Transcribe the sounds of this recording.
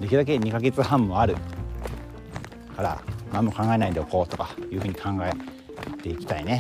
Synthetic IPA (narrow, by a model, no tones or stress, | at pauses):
d̪ekʲid̪ak̬e̞ɲ̟ikaɡe̞t͡sɨhãmːo̞aɾɯ̟̰ | kaɾa̰mãmːo̞kãŋɡae̞naid̪eoko̞ːt̪o̞kḁjɯ̟ːɸɯ̟ːɲ̟i̥kʰãŋɡae | t̪e̞ikʲi̥t̪aine̞